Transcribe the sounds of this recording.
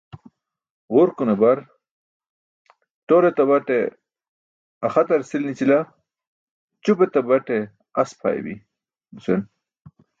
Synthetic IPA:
ʁuɾkunebɐɾ | t̪oɾet̪ɐbɐʈe | ɐxɐt̪ɐɾsilnit͡ɕila | t͡ɕupet̪abɐʈe | ɐspʰa̰ːjḛbḭ | usen

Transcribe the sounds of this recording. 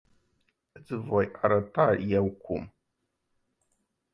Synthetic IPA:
t͡sɨvajʔaɾatajawkʷum

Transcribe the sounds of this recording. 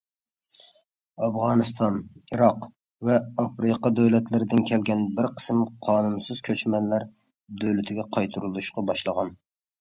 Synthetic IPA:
ɑfʁɑːnɨst̪ʰɑniɾɑq | vɛɑfɾɨqɑd̪øwlɛt̪ʰlɪɾɪd̪ɪnkʲʰɛlɡʲɛnbɪɾqʰə̥smqʰɑːnunsɨz̥kʲʰøt͡ʃmɛnlæɾ | d̪øwlɪt̪ʰɪɡʲɛqʰɑjt̪ʰuɾulˠuʃqɑbɑʃlˠəʁɑn

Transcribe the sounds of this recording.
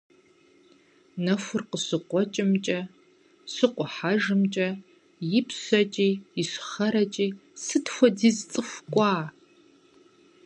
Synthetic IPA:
nɐxʷʊrqəɕɨqʷɔt͡ʃʼɪmt͡ʃʼɐ | sɨqʷʼɔħaʒɨmt͡ʃʼɐ | jɪpʰɕɐt͡ʃʼiːɪɕʷχɐɾɐt͡ʃʼiːsɨtxʷɔdiːzt͡sʼɨxʷkʷʼɑː

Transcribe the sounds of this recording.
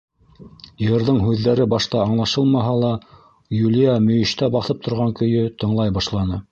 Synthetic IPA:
jɤ̆ɾðɤɴɦʉðːæɾɘbɑʃt̪ɑːɴlˠɑʃɤlˠmɑɦɑlˠɑ | julʲijamɵ̆jɘ̆ʃt̪æbɑθɤp̚t̪ʰŏɾʁɑŋkɵ̆jɵt̪ɤ̆ɴlˠɑjbɑʃlˠɑnɤ

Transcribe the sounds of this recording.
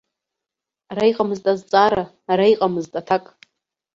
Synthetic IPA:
arajqʼamɨztʼazt͡sʼaɾaː | raiqʼamɨztʼatʰakʼ

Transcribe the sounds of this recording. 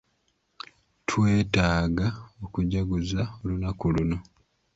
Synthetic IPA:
tʰwe̞ːtaːɡaokuɟaɡuzaolunakuluno̞

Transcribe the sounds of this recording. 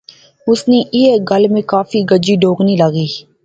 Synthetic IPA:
ʊsneʔieːɡəlmẽkaːfiɡəd͡ʒiːɖʱoːɡnĩləɡiː

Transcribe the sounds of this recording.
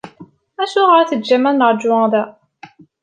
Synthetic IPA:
æʃuʁəɾθəd̪d͡ʒæmænːəɾˤd͡ʒʊðæ

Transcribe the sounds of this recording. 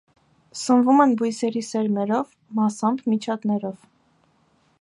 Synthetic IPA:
sənvumɛnbujsɛɾisɛɾmɛɾɔv | mɑsɑmbmit͡ʃʰɑt̪nɛɾɔv

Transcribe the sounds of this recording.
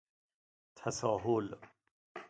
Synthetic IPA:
t̪ʰæsɒːɦol

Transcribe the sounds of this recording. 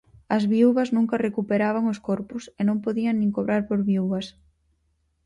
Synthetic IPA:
ɐzβiuβɐznũŋkɐrekupeɾaβ̞aŋʊskoɾpʊsenõmpoðiɐŋnĩŋkoβɾaɾpoɾβiuβɐs

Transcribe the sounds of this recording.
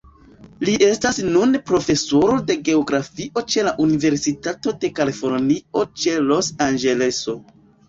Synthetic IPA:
liʔe̞stasnunpɾo̞fe̞so̞ɾo̞de̞ɡe̞oɡɾafiʔo̞t͡ʃe̞laʔunive̞ɾsitato̞de̞kalifo̞ɾnio̞t͡ʃe̞lo̞sand͡ʒe̞le̞so̞

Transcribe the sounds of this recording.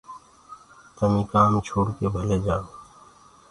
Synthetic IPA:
t̪əmĩkaːmt͡ʃʰoːɽkebʱəled͡ʒaːo

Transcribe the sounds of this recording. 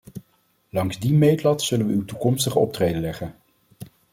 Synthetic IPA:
lɑŋzdimejtlɑtsɵlənʋəywtukɔmstəχəɔp̚treːjdəlɛχən

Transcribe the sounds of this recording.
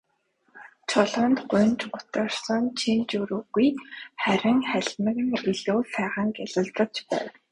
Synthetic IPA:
t͡ɕʰɔɮɔ̆ːnt̪ɢʊ̟nt͡ɕɢʊt̪ə̆rsə̆nt͡ɕʰint͡ɕuɾuɣujχæɾʲɪ̆ŋχæɮmə̆k̆ŋxiɮoːsæːʁə̆ŋkaɮə̆ɮt͡sə̆kt͡ɕpæ̰ːw

